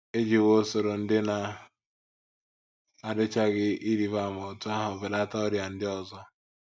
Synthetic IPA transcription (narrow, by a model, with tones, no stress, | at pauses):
e˦d͡ʒi˨wo˦so˨ɾo˨n̩˦dɪ˦na˨ | a˨dɪ˦t͡ʃa˦ɣɪ˦i˦ɾi˨βa˦˨mo˨tʊ˦a˦ɦʊ˨bɪ˨la˦ta˦ʊ˦ɾja˨n̩˦dɪ˦ɔ˨zɔ˦